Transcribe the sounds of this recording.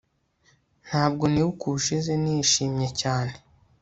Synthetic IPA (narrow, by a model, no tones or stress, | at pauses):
n̥haːb̚ɡo̞niwukʰuʃizeniːʃiːmɲe̞caːne̞